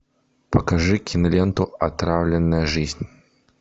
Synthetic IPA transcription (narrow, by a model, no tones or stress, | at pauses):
pɐkaʐɨkʲinlʲɛnt̪ʊat̪ɾawlʲɪnːɐjɐʐɨzʲnʲ